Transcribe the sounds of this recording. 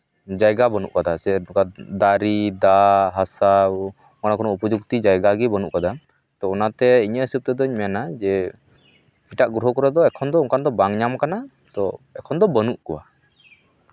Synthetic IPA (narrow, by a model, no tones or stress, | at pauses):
d͡ʒajɡabənuʔkad̪asɛkad̪aɾid̪aɦasa | mɔnakʰɔnɔupɔd͡ʒuk̚t̪id͡ʒajɡaɡibənuʔkad̪a | t̪ɔɔnat̪ɛiɲəəsəp̚t̪ɛd̪ɔɲmɛnad͡ʒɛ | pʰiʈaʔɡɾuɦɔkɔɾɛd̪ɔɛkʰɔnd̪ɔuŋkand̪ɔbaŋɲamkana | t̪ɔɛkʰɔnd̪ɔbənuʔkɔwa̰